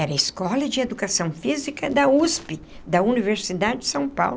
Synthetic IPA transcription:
ɛɾɐiskɔlɐd͡ʒɪed̪ukasɐ̃w̃fizikɐd̪ɐuspi | d̪ɐuniveɾsid̪ad͡ʒɪd͡ʒɪ̥sɐ̃w̃pa̰wl

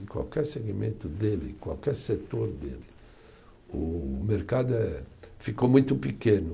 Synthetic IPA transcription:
ĩkwa̰wkɛɾseɡimẽnt̪ʊd̪elikwawkɛɾset̪oɾd̪elɪ | umeɾkad̪ʊɛfikomũjt̪ʊpikẽnʊ

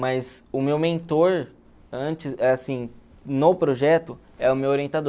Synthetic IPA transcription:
majzʊmewmẽnt̪oɾ | ɐ̃nt͡ʃɪɛasĩ | nopɾoʒɛt̪ʊ | ɛʊmewoɾiẽnt̪ad̪

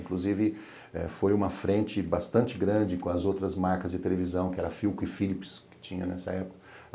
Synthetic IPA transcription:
ĩŋkluzivɪ | ɛ̰fojũmɐfɾẽnt͡ʃɪbast̪ɐ̃nt͡ʃɪɡɾɐ̃nd͡ʒɪkõɐzowt̪ɾɐzmaɾkɐzd͡ʒɪt̪elevizɐ̃w̃kɪɛɾɐfiwkʊɪfilipskɪ̥t͡ʃĩɲɐnɛsɐ̰ɛpʊ̥kɐ

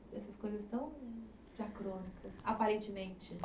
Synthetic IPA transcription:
ɛsɐskojzɐst̪ɐ̃w̃ | d͡ʒakɾõnikʰɐsapaɾẽnt͡ʃɪmẽt͡ʃɪ

